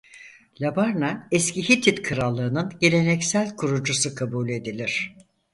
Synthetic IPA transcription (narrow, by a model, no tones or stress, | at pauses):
lʲabaɾnaɛsciçit̪ʰit̪kʰɯɾalˠːɯːnɯnɟe̞lʲe̞nɛcsælʲkʰuɾud͡ʒusukʰabuːlʲe̞d̪ilʲiɾ̝̥